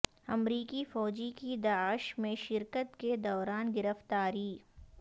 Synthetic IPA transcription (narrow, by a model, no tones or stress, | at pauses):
ɐ̰mɾiːkifɔːd͡ʒikid̪aːɪʃmẽʃɪɾkət̪ked̪ɔːɾaːnɡɪɾəft̪aːɾiː